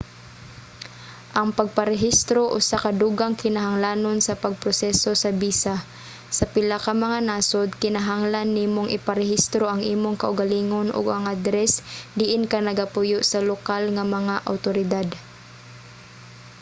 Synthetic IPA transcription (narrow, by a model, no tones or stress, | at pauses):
ʔɐŋpɐɡ̚paɾɛɦist̪ɾoʔʊsakɐd̪uɡaŋkɪnaɦaŋlaːnonsɐpɐɡ̚pɾosɛsosɐbiːsa | sɐpɪlakamɐŋanaːsod̪̚kɪnaɦaŋlanːiːmoŋʔɪ̰paɾɛɦist̪ɾoʔaŋʔiːmoŋkaʔʊɡaliːŋonʊ̰ɡaŋʔad̪ɾɛsd̪ɪʔɪnkanɐɡapʊjoʔsɐlokalŋamɐŋaʔa̰wt̪oɾɪd̪ad̪